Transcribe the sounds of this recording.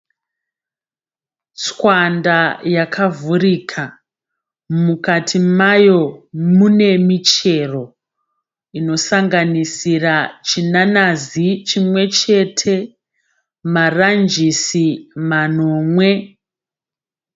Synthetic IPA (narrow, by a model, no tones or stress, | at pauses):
t͡swandajakʰavuɾiːkʰa | mukatʰimajo̞mune̞mit͡ʃe̞ro̞ | ino̞saŋɡanisirat͡ʃinanazit͡ʃimwe̞t͡ʃe̞tʰe̞ | marand͡ʒisimano̞ːmwe̞